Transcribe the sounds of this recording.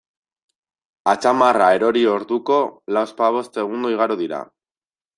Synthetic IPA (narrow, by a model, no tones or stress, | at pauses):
at͡ʃamarae̞ɾo̞ɾio̞ɾðuko̞lawspaβ̞o̞st̪e̞ɣ̞und̪oiɣ̞aɾuðiɾa̰